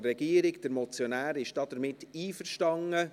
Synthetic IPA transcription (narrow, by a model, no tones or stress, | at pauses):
ɛɡ̥iːəɾɪɡd̥əɾmɔt͡sjonæːɾɪʃd̥ɑːd̥əɾmɪtːiːfərʃtɑŋə